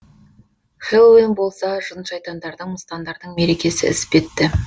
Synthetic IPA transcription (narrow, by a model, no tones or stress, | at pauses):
χelˠwinbo̞lˠsɑʒənʃɑjt̪ɑnd̪ɑɾd̪əɴməst̪ɑnd̪ɑɾd̪əɴme̞ɾe̞kʲe̞sɪ̰ɪ̰spe̞t̪ːɪ